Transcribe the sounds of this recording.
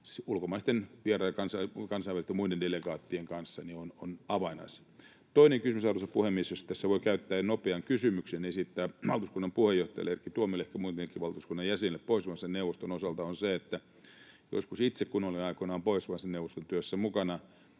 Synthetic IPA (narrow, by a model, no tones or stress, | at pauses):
sulkomɑˑist̪enʋierɑːjɑkɑnsɑkɑnsɑiʋælist̪emuidendeleɡɑːt̪ːieŋkɑnsːɑniononɑʋɑinɑ̰is | t̪oineŋkysmysɑurusɑpuhemːisost̪ːæsːæʋoikæyt̪ːæːnopeɑŋkysymyksenesit̪ːæːʋɑlt̪uskunːɑmpuhejoht̪ˑɑjɑ̰lerkːit̪uomilehkæmuit̪enekːiʋɑlt̪uskunːɑjjæsenilːeppoisʋɑnsenneuʋːˑost̪onosɑlt̪ɑonseet̪ːæ | jo̰skusit̪sekkunoliɑikonɑːmpoisʋɑnsenneuʋˑost̪ont̪yøsːæmukɑnɑ